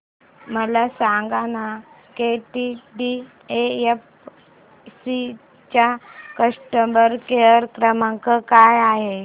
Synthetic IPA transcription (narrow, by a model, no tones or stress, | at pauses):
məlasãŋɡanakeʈiɖi | eef | si | t͡ɕjakəsʈəmbəɾkeəɾkɾəmãŋkəkajaɦe